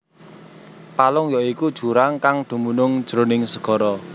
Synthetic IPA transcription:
palʊŋjɔikud̥ʒ̥ṳɾaŋkaŋd̪̥ṳmunʊŋd̥ʒ̥ɾo̤nɪŋsəɡ̥ɔ̤ɾɔ

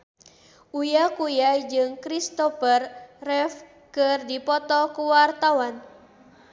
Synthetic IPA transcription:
ʔujakujad͡ʒɨŋkɾist̪ɔfərrɛf | kɨrdipɔt̪ɔkuwart̪awan

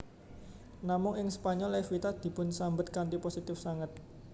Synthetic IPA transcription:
namʊŋɪŋspaɲɔlefit̪ad̪̥i̤pʊnsambət̪̚kant̪iposit̪ɪfsaŋət̪̚

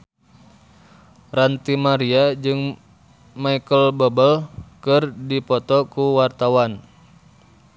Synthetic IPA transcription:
rant̪imaɾiad͡ʒɨŋ | maikəlbɔbəlkɨrdipɔt̪ɔkuwart̪awan

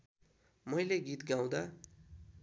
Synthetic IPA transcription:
mʌjleɡit̪ɡaw̃d̪ʌ

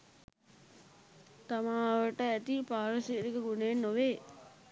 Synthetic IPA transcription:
t̪amaːʋəʈəæt̪ipaːɾɐsiːɾikəɡuneːnːoʋeː

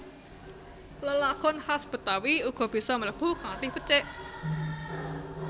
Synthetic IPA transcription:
ləlakʊnhasb̥ə̤t̪awiuɡ̥ɔ̤b̥i̤sɔmələpukaŋt̪ihpət͡ʃeʔ

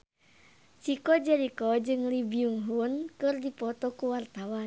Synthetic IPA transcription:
t͡ʃikɔd͡ʒaɾikɔd͡ʒɨŋlibiuŋɦunkɨrdipɔt̪ɔkuwart̪awan

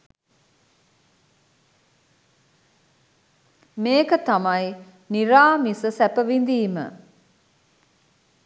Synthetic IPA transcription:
meːkət̪amaj | niɾaːmisəsɛpəʋind̪iːmə̰

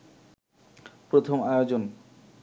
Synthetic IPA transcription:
pɾot̪ʰomajod͡ʑon

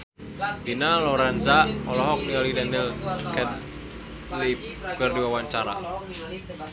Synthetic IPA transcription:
binalɔɾanzaɔlɔɦɔk̚niɔlidanilkɛt̪ | lip | kɨrdiwawaɲt͡ʃaɾa̰

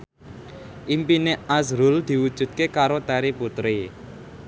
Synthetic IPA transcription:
ʔimpineʔasɾʊld̪̥i̤wud̥ʒ̥ṳt̪̚kekaɾot̪ɛɾiput̪ɾi

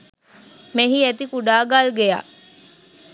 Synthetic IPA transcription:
meɦiet̪ikuɖaːɡalɡeja̰

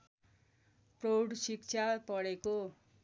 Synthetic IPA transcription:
prowɽsik̚t͡sʰapʌɽeko

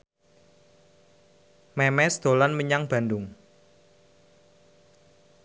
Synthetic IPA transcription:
mɛmɛsd̪̥o̤lanməɲaŋb̥a̤ndʊŋ

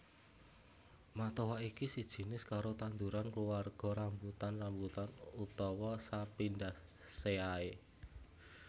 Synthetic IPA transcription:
mat̪ɔwaikisid̥ʒ̥i̤nɪskaɾot̪and̪uɾankluwarɡ̥ɔ̤ɾambut̪anrambut̪anut̪ɔwɔsapind̪a | seae

